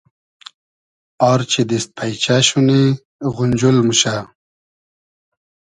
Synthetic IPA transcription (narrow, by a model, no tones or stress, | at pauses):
ɑɾt͡ɕʰid̪ist̪̚pʰajt͡ɕaɕuni | ɣunʲd͡ʑulmuɕa